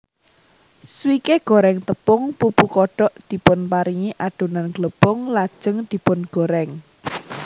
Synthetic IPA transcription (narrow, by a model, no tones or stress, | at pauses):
swikeɡ̥o̤ɾɛŋt̪əpʊŋpupukɔɖ̥ɔʔd̪̥i̤pʊnpaɾiŋiʔaɖ̥o̤nanɡ̥ləpʊŋlad̥ʒ̥ə̤ŋd̪̥i̤pʊnɡ̥o̤ɾɛŋ